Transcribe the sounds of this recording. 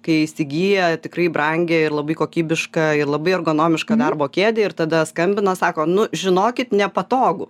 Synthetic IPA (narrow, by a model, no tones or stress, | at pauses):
kɐɪisʲɪɡʲiːjɛt̪ʲɪkɾɐɪbrɐŋʲɡʲɛɪrlˠɐbɐɪkoːkʲiːbʲɪʃkɐɪrlˠɐbɐɪɐrɡoːnoːmʲɪʃkɐd̪ɐrboːkʲeːd̪ʲeɪrt̪ɐd̪ɐskɐmʲbʲɪnɐsɑːkoːnʊʒʲɪnoːkʲɪt̪nʲɛpɐt̪oːɡʊ